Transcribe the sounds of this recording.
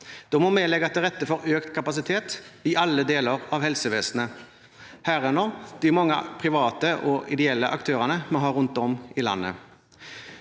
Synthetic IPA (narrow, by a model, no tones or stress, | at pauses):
d̪̥ɔmɔmeːlɛɡəɑt̪d̪ɛʁɛt̪ːəfɔɾøːkt̪kʰɑpɑsɪt̪ʰeːt̪ɪʔɑlːəd̪eːləʁɑʋhɛlsəʋeːsn̩ə | hæːʁɛnɔd̪̥ɪmɔŋːə̰pʰʁɪʋɑːt̪əʔɔɪd̪ɛɛlːəʔɑ̰kt̪ʰøːʁənəmɔɦɑːʁʉnt̪ɔmɪlɑ̰nːə̰